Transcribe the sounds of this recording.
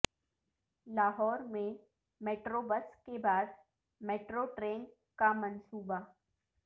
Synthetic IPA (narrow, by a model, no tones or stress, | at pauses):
laːɦɔːɾmẽ | meːʈɾoːbəskebaːd̪ | meːʈɾoʈɾeːn | kamɐnsuːba